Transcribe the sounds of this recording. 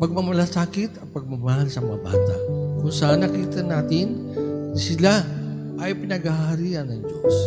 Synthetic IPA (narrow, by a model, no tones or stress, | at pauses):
pɐɡ̚mɐmɐlasaːkɪt̪ɐt̪̚pɐɡ̚mɐmahalsɐmɐŋɐba̰ːt̪a̰ʔkʊŋsanɐkit̪ɐnaːt̪ɪnnisɪla | ʔɐjpɪnɐɡahɐɾiʔɐnːɐŋd͡ʒo̰s